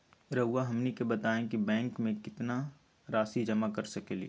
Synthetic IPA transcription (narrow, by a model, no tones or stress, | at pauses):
ɾɐɦʊaɦɐmnikebɐt̪aːẽkibɛ̃ːŋkmẽkɪt̪na | ɾaːsid͡ʒɐmakɐɾsɐkeːlḭe